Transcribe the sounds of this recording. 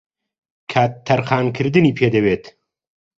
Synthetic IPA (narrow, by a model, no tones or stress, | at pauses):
kʰaːt̪ʰːɐɾxaːnkʰɨɾd̪ɨniːpʰeːd̪ɛweːt̪